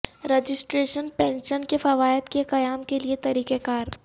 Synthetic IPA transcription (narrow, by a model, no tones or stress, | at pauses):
ɾed͡ʒɪsʈɾeːʃənpɛ̃ːnʃənkefɐʋaːjət̪keqɐjaːmkeliet̪ɐɾiːkekaːɾ